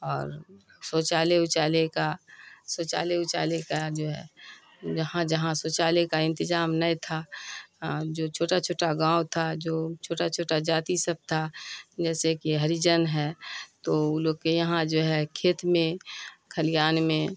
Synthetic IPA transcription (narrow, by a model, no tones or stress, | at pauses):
ɔːɾ | sɔt͡ʃaːleʊt͡ʃaːlekasɔːt͡ʃa̰ːleʊt͡ʃa̰ːlekad͡ʒoːɦɛ̰ | d͡ʒəɦãd͡ʒəɦãsoːt͡ʃaːlekaɪ̃nt̪ɪzaːmnəĩt̪ʰa | d͡ʒoːt͡ʃʰoːʈat͡ʃʰoːʈaɡãːwt̪ʰad͡ʒoːt͡ʃʰoːʈat͡ʃʰoːʈad͡ʒaːt̪isəb̚t̪ʰad͡ʒɛːsekiɦəɾid͡ʒənɦɛːt̪ouloɡ̚kejəɦãd͡ʒoːɦɛkʰeːt̪mẽkʰəlɪjaːnmẽ